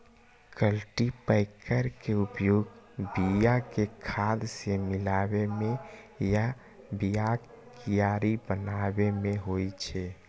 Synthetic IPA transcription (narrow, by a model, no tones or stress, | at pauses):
kəlʈipəɪkʰəɾkeupjoɡ | bijakekʰad̪semɪlabemẽ | ja | bija | kijaɾibənabemẽɦoit͡ʃʰɛ